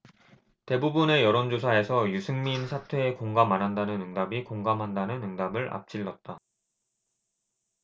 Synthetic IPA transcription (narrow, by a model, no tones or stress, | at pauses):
te̞bubune̞jʌɾond͡ʑosʰae̞sʰʌjusʰɯŋminsʰatʰwe̞ːkoŋɡamanɦandanɯnɯŋdabikoŋɡamɦandanɯnɯŋdabɯɭʔa̰p̚t͡ɕ͈iɭːʌt̚t͈a